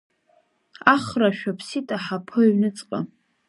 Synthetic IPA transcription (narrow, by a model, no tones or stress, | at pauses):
aχraʃᶣapʰsitʼaħapʰɨɥnɨt͡sʼqʼa